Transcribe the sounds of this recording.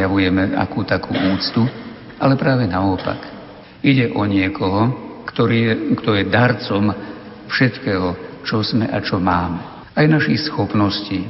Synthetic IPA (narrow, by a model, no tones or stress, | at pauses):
jaʋujɛmɛa̰kuːt̪akṵːʔuːt͡st̪u | alɛpɾaːʋɛnaɔpa̰k | iɟɛʔɔɲɪɛkɔɦɔkt̪ɔɾiɛkt̪ɔjɛd̪aɾt͡sɔm | fʃɛt̪kɛːɦɔt͡ʃɔzmɛʔat͡ʃɔmaːmɛ | ajnaʃixsxɔpnɔsciː